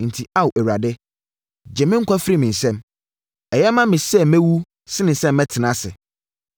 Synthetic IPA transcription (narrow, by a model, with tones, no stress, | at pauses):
n̩˨tʰi˨a˦wʔæ˨wɾa˨dɪ˦ | d͡ʑɛ˨mɪ̃˦ŋ̩˦kʰʷa˦fɾi˦mɪ̃˨n̩˨sɛ̃˦m | ɛ˨jɛ˦mã˦mɪ̃˨sɛ˦mæ̃˦wu˦ | sɪ˦nɪ̃˨sɛ̃˦mː˦ɛ̃˦tʰɪ˨nã˦sɪ̰˨